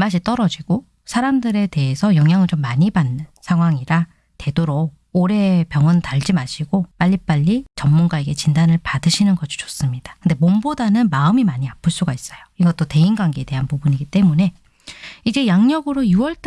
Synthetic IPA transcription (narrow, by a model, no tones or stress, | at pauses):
maɕ̬ʰit͈ʌɾʌd͡ʑiɡ̥o | sʰaɾamdɯɾe̞te̞esʰʌjʌŋjaŋɯɭt͡ɕomːaɲibanːɯnsʰaŋɦwaŋiɾa | te̞doɾo | oɾe̞pjʌŋɯntaɭd͡ʑimaɕʰiɡop͈aʎːip͈aʎːit͡ɕʌmːunɡaeɡe̞t͡ɕindanɯɭpadɯɕʰinɯnɡʌd͡ʑʰi̥t͡ɕo̥s͈ɯmɲidḁkɯnde̞mombodanɯnmaɯmimaɲiap͈ʰɯɭs͈uɡais͈ʌjoiɡʌt͈ote̞inɡwaŋɡeede̞ɦanpubuɲiɡit͈e̞mune̞ | id͡ʑe̞jaŋɲʌɡɯɾojuwʌɭt͈